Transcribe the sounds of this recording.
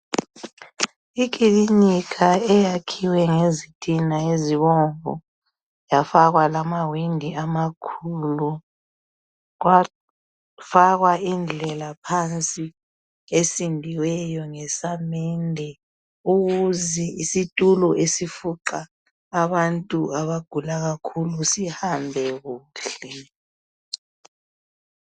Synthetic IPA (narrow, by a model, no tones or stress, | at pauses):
ik̬ʼilinikʰaɛjakʰiwɛŋezitʰʼinaeziβɔɱvɔ̰ | jafaɣwalamawindʱiamakʰulu | ɣwa | faɣwaind͡ɮʱɛlapʰant͡sʼi | esindʱiwɛjɔŋɛsamɛndʱɛ | uɣuzɛisitʼulɔʔesifuǃaː | βantʼuaβaɡ̥ʱulaɣakʰulusihambʱɛɣuːɬɛ